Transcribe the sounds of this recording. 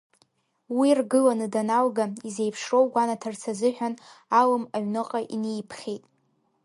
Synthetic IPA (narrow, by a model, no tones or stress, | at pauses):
wirɡɨlanɨdanalɡaizejpʰʂro̞wɡʷanatʰɨrt͡sʰazɨħᶣanalɨmaɥnɨqʼaʔinejpʰχʲejtʼ